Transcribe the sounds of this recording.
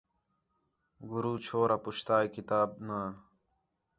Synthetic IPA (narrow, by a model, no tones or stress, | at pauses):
ɡuɾuːt͡ɕʰoːɾapuɕt̪aːjkit̪aːb̚naː